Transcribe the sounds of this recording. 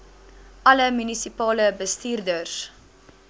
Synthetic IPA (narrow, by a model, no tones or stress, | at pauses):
ʔɐləmynisipɑːləbəstiːrdərs